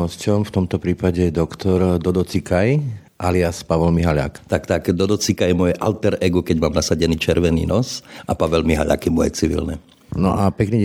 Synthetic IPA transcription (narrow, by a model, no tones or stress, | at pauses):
ɔscɔmft̪ɔmt̪ɔpɾiːpaɟɛd̪ɔkt̪ɔɾd̪ɔd̪ɔt͡sikaj | ʔaliaspaʋɛlmiɦaʎa̰kt̪akt̪akd̪ɔd̪ɔt͡sikajɛmɔjɛʔa̰lt̪ɛɾɛɡukɛɟmaːmnasaɟɛniːt͡ʃɛɾʋɛnḭːnɔsʔapaʋɛlmiɦa̰ʎa̰kimɔɛ̰t͡siʋḭlnɛ̰ | nɔʔapɛkniː